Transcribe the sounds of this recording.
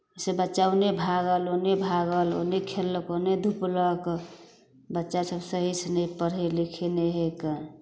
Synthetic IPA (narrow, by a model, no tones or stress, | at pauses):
sebət͡ʃaunebʱaɡəlonebʱaɡəlo̰nekʰelːəkoned̪ʱuplək | bətːʃasəbsəɦisnepəɾɦelikʰineɦekə